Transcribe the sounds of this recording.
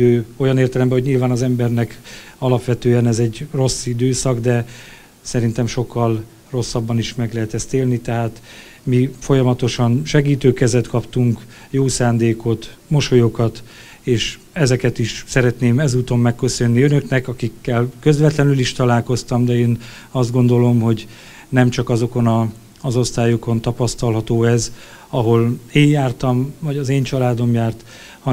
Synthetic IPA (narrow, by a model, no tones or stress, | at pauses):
øːo̞jɒneːrt̪ɛlɛmbɛɦo̞ɟɲilvaːnɒzɛmbɛrnɛkɒlɒpʋɛt̪øːɛnɛzɛɟːro̞sːid̪øːsɒɡd̪ɛ | sɛɾint̪ɛmʃo̞kːɒl | ro̞sːɒbːɒniʃmɛɡlɛɦɛt̪ɛst̪eːlnit̪ɛɦaːt̪ | mifo̞jɒmɒt̪o̞ʃɒnʃɛɡiːt̪øːkɛzɛt̪kɒpt̪uŋk | joːsaːnd̪eːko̞t̪mo̞ʃo̞jokɒt̪ | eːʃ | ɛzɛkɛt̪iʃsɛɾɛt̪neːmɛzuːt̪o̞mːɛkːø̞sø̞nːiønø̞knɛkɒkikːɛlkø̞zvɛt̪lɛnyliʃt̪ɒlaːlko̞st̪ɒmd̪ɛeːn | ɒzd̪ɡo̞nd̪o̞lo̞mɦo̞ɟ | nɛmt͡ʃɒkɒzo̞ko̞nɒː | zo̞st̪aːjoko̞nt̪ɒpɒst̪ɒlɦɒt̪oːɛz | ɒɦo̞leːɲjaːrt̪ɒmvɒɟɒzeːɲt͡ʃɒlaːd̪o̞mjaːrt̪ | hɒ